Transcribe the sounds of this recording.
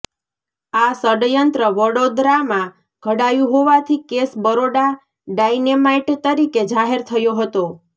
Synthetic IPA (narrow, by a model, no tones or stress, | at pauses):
asəɽjənt̪ɾəʋəɽod̪ɾamã | ɡ̥ʱəɽajũɦoʋat̪ʰikesbəɾoɽa | ɖajnemaiʈt̪əɾiked͡ʒaɦeɾt̪ʰəjoɦət̪o